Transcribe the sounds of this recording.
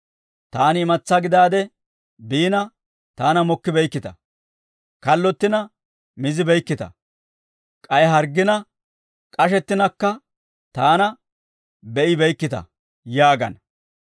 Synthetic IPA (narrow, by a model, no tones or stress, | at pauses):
t̪aːnɪɪmɐt͡sːɐɡɪd̪aːd̪ɛ | biːnɐ | t̪aːnɐmɔkːɪbɛjkːɪt̪ɐ̰ | kɐlːɔt̪ːɪnɐ | mɪzɪbɛjkːɪt̪ɐ̰ | kʼɐjɦɐɾɡɪnɐ | kʼɐʃ̬ɛt̪ːɪnɐkːɐ | t̪aːnɐ | bɛʔɪbɛjkːɪt̪ɐ̰ | jaːɡɐ̰n